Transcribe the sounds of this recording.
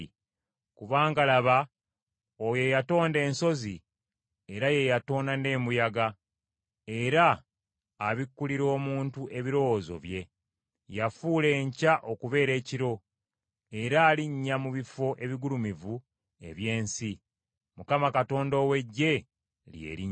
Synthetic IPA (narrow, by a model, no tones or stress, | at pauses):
kuβaːŋɡalaβa | oje̞jato̞ːnde̞ːnso̞zi | eɾaje̞jato̞ːnane̞ːmujaɡa | e̞ɾaː | βikːuliɾo̞ːmuːntuʔe̞βiɾo̞wozo̞̰βje̞ | jafuːle̞ːɲcaʔo̞kuβe̞ːɾe̞ːciɾo̞ | eɾaːliɲːamuβifo̞ʔe̞βiɡulumivu | e̞̰βje̞ːnsi | mukamakato̞ːndowe̞ɟːe̞ | lje̞̰ɾi